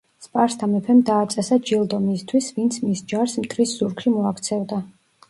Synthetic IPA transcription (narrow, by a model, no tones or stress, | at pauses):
spʼaɾst̪ʰamɛpʰɛmd̪aːt̪sʼɛsad͡ʒilˠd̪ɔmiːst̪ʰwisvint̪sʰmisd͡ʒaɾsmt̪ʼʰɾisz̥uɾkʰʃimɔakʰt̪sʰɛvd̪a